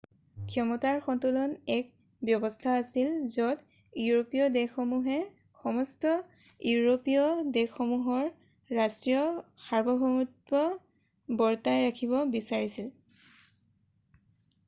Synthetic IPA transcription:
kʰjɔmɔtaɹxɔntulɔnɛk̚ | bjɔbɔstʰaːsilzɔt | jiuɹopiɔdɛxɔmuɦɛ | xɔmɔstɔ | juuɹopijɔdɛxɔmuɦɔɹː | astɹijɔxaɹbʱɔɦɔmut̚bɔ | bɔɹtajɹakʰibɔbisaɹisil

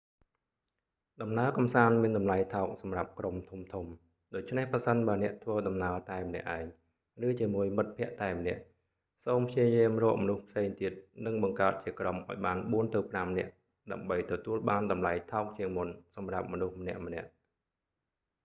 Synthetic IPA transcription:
ɗɑmnaəkɑmsaːnmiənɗɑmlajt̪ʰaɔk̚sɑmrap̚kromt̪ʰumt̪ʰum | ɗoːc̚t͡ɕʰnehprɑsənɓaənɛ̆əʔt̪ʰʋəːɗɑmnaət̪aɛmənɛ̆əʔaɛŋ | rɨːt͡ɕiəmuəjmɨt̪̚pʰɛ̆əʔt̪aɛmənɛ̆əʔ | soːmpʰjiəjiəmrɔːəʔmɔnuhpʰseːŋt̪iət̪̚nɨŋɓɑŋkaət̪̚t͡ɕiəkromʔa̰ɔjɓaːnɓuənt̪ɨwpramnɛ̆əʔ | ɗaəmɓəjt̪ɔt̪uəlɓaːnɗɑmlajt̪ʰaɔk̚t͡ɕiəŋmunsɑmrap̚mɔnuhmənɛ̆əʔmə̆nɛ̆əʔ

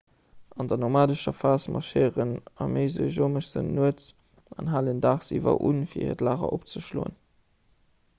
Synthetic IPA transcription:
ɑndɐnomaːdəʃɐfaːsmʔɑʃeːʁənɑmeɪzəʒoːməʃz̥ənnuət͡s | ɑnɦaːləndaːχsḭvɐ̰ʔṵnfiːɐḭːʁətlaːʁɐ̰ʔop̚t͡səʃlo̰ːə̰n

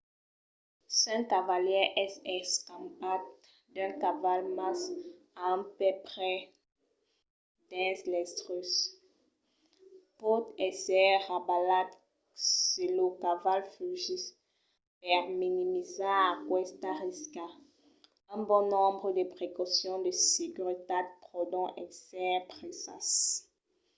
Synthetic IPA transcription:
sɛ̃kavaljɛʔɛsɛskãmpat̪ | d̪ɛ̃kavalmas | aɛ̃pɛpχɛ | d̪ɛ̃slɛst̪ʁøs | pot̪ɛsɛʁabalad̪ | selokavalfyʒis | pɛʁminimizaakwɛst̪aʁiska | ɛ̃bɔ̃nɔ̃bʁəd̪əpχekɔsjɔ̃d̪əseɡyʁit̪ad̪̚pχɔd̪ɔ̃ʔɛsɛpχesa̰s

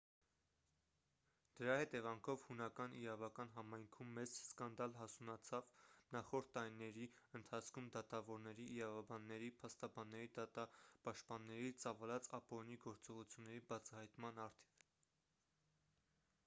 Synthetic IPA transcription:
d̪̥əɾɑhɛt̪ɛvɑŋkʰɔvhunɑkɑniɾɑvɑkɑnɦɑmɑjŋkʰumːɛzskɑnd̪ɑlɦɑsunɑt͡sʰɑvnɑχɔɾt̪ːɑɾinɛɾi | ənt̪ʰɑt͡sʰkʰumd̪ɑt̪ɑvɔɾnɛɾiʔːɾɑvɑbɑnːɛɾipʰɑst̪ɑbɑnːɛɾid̪ɑt̪ɑpɑʃt̪̚pɑnːɛɾit͡sɑvɑlɑt͡sɑpɔɾiniɡɔɾt͡sɔʁut͡sʰjunːɛɾibɑt͡sʰɑhɑjt̪mɑnɑɾt̪ʰi̥v

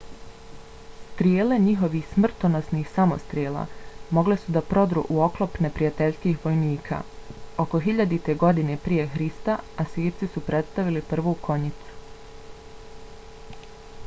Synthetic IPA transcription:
st̪ɾijeːle̞ɲiɦo̞ʋixsmr̩t̪onosniːxsamo̞̰st̪ɾijeːlˠa̰ːmo̞ɡle̞sud̪apɾo̞d̪ɾṵʔuo̞klˠo̞pne̞pɾijat̪e̞ʎskiːxʋo̞jniːkʰa̰ːo̞ko̞ɦiʎad̪it̪e̞ɡo̞d̪ine̞pɾije̞xɾist̪aasʋiːɾt̪sisupɾe̞t̪st̪aʋilipr̩ʋukʰo̞ɲit̪su̥

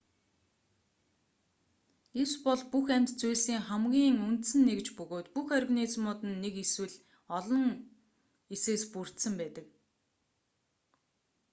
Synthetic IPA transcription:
espɔɮpuxæm̥ʲt͡st͡sujɮsiːŋχæmɡʲiːŋun̥t̪sɘ̆nːekt͡ɕpɵɣoːt̪puxœrʲɣniːt͡smʊːt̪ɘ̆nːekeswɘ̆ɮ | ɔɮɞ̆ŋ | eseːspur̥t̪sə̆mpæːt̪ə̆k̚

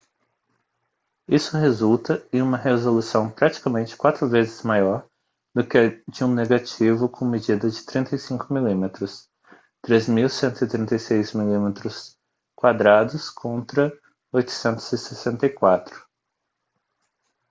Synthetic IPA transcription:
isʊhezult̪ɐẽũmɐɦezolusɐ̃w̃pɾat͡ʃi̥kɐmẽnt͡ʃɪ̥kwat̪ɾʊvezɪz̥majɔɾ | d̪ʊkɪd͡ʒɪũneɡat͡ʃivʊkʰõmed͡ʒid̪ɐd͡ʒɪt̪ɾĩnt̪ɐjsĩkʊmilĩmet̪ɾʊs | t̪ɾezmiwsẽnt̪ʊit̪ɾĩnt̪ejsejzmilĩmet̪ɾʊs | kwad̪ɾad̪ʊskʰõnt̪ɾɐ | ojt̪ʊ̥sẽnt̪ʊ̥z̥ɪsesẽnt̪ɐjkwat̪ɾʊ̥

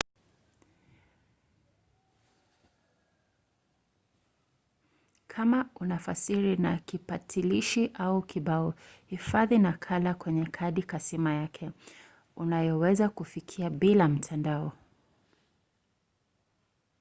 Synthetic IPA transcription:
kʰamaunafasiɾinakipatʰiliʃiʔaukiɓaɔhifaðinakʰalakwɛɲɛkʰaɗikasimajakʰɛ | unajɔwɛzakufikʰiaɓilam̩tʰandaɔ

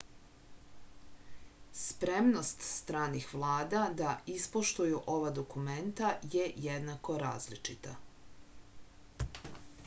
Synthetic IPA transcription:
spɾe̞mno̞st̪st̪ɾaːnixʋlˠaːd̪ad̪aispoʃt̪ujuʔo̞ʋad̪o̞kume̞nt̪ajejed̪nako̞ɾa̰ːzlit͡ʃit̪a

